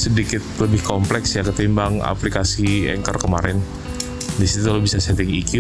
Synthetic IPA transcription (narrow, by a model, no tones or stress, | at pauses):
sədikɪt̪̚ləbɪhkomplɛksjakət̪imbaŋa̰plikasiɛ̰ŋkərkəmaɾɛn | disit̪ualobisasɛt̪ɪŋikju